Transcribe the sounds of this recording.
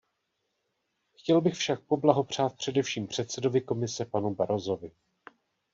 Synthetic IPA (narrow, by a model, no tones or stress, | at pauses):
xcɛlbɪxfʃak̚po̞blaɦo̞pr̝̥aːt̪̚pr̝̥ɛdɛfʃiːmpr̝̥ɛt̪sɛdo̞vɪko̞mɪsɛpanubaɾo̞zo̞vɪ